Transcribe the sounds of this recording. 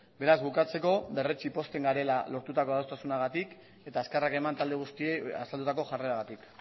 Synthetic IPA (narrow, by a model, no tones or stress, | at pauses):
be̞ɾazbukat͡se̞ko̞be̞ret͡ʃipo̞st̪e̞ŋɡaɾe̞lalo̞ɾt̪ut̪akoðawst̪asunaɣ̞at̪ik | e̞t̪aeskarake̞mant̪ald̪e̞ɣ̞ust̪ieja̰sald̪ut̪ako̞ʝareɾaɣat̪ik